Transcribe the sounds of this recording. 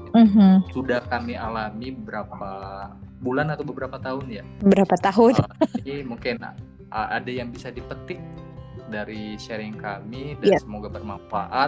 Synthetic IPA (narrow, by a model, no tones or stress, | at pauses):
m̩ɦm̩sudahkamialamibəbəɾapabulanat̪awbəbəɾapat̪aɦʊnjaəbəɾapat̪aɦʊnnaimuŋkɪn | ʔə̰adajaŋbisadipət̪ɪk̚daɾiʃeɾɪŋkamidajasəmoɡabərmanfa̰ʔat̪̚